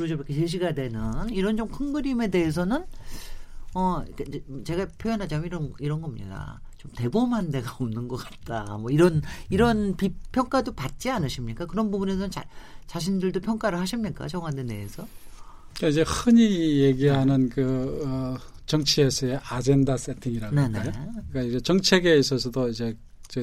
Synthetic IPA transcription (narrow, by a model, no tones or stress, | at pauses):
kɯɾʌd͡ʑoɾʌkʰesʰeɕ̬ʰiɡadwe̞nɯniɾʌnd͡ʑomkʰɯŋɡɯɾime̞de̞ɦes̬ʰʌnɯn | ʌik͈ad͡ʑt͡ɕe̞ɡapʰjojʌnɦad͡ʑamiɾʌiɾʌnɡʌmɲḭda̰ | t͡ɕomte̞bomɦande̞ɡaomnɯnɡʌk͈ḁt̚t͈a̰mwʌiɾʌniɾʌnpipʰjʌŋk͈adopat̚t͡ɕ͈ianɯɕʰimɲik͈akɯɾʌnbubune̞s̬ʰʌnt͡ɕat͡ɕaɕ̬ʰindɯɭdopʰjʌŋk͈aɾɯɭhaɕʰimɲik͈a̰t͡ɕʌŋwandene̞ːsʰʌ | kaid͡ʑe̞hɯɲijeɡiɦanɯnkɯʌ | t͡ɕʌŋt͡ɕʰie̞sʰʌe̞ʔad͡ʑe̞ndas͈etʰiŋiɾanneoik͈aid͡ʑet͡ɕʌŋt͡ɕʰe̞ɡe̞is̬͈ʌsʰʌdoid͡ʑe̞ | t͡ɕe